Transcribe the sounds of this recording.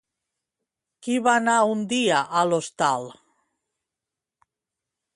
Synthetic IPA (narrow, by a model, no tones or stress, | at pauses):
kiβanaund̪iaʔalost̪al